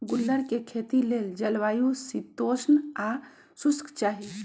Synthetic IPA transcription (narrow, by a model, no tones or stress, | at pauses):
ɡulːəɾkekʰet̪ileld͡ʒəlʋaːjusit̪oːsna | suskt͡ʃaːɦi